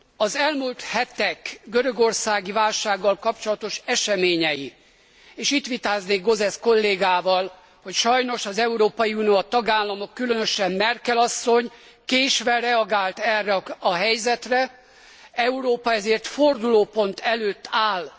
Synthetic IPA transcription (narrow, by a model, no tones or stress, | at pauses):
ɒzɛlmult̪hɛt̪ɛkɡøɾø̞ɡo̞rsaːɡivaːlʃaːɡːɒlkɒpt͡ʃo̞lɒt̪o̞ʃɛʃɛmeːɲɛji | eːʃiːt̪ʋit̪aːzneːɡɡo̞zɛsko̞lːeːɡaːvɒl | ho̞cʃɒjno̞ʃɒzɛuɾoːpɒjiuniot̪ɒɡaːlːɒmo̞kːylønøʃɛmmɛrkɛlɒsːo̞ɲ | keːʃʋɛrɛɒɡaːlt̪ɛrːɛɒɦɛjzɛt̪rɛ | ɛuɾoːpɒɛzeːrt̪ford̪uloːpo̞nt̪ʰɛløːt̪ːaːl